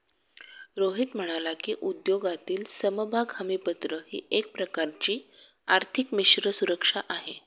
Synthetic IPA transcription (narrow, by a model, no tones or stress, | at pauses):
ɾoɦit̪m̤əɽ̃alakiːʔud̪joɡat̪iːlsəməbʱaɡʱamipət̪ɾəhḭːʔek̚pɾəkaɾt͡ɕiː | aɾt̪ʰikmiɕɾəsuɾəkʂaʔaɦe